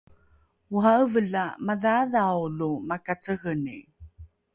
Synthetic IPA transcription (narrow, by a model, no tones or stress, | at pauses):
uɦaəvəɮamaðaðawlumakat͡səɣənḭ